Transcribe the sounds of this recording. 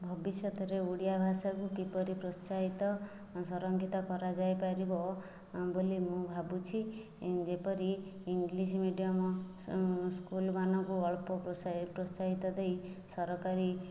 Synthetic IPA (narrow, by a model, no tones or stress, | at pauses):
bʱɔbisjɔt̪ʰɔɾeuɽijabʱasakukipɔɾipɾɔst͡ʃaɦit̪ɔ | sɔɾɔŋɡʱit̪ɔkɔɾad͡ʒajpaɾibɔ | bolimũbʱabut͡ʃʰi | d͡ʒepɔɾiːŋɡlismiɖijamɔ | skulbanɔkuɔɭpɔpɔspɾɔst͡ʃaɦit̪ɔd̪ej | sɔɾɔkaɾi